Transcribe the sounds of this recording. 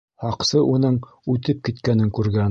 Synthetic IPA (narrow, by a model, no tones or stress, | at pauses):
hɑqsɤʔunɤɴ | ʉt̪ɘp̚kit̪kænɘŋkʉɾɡæn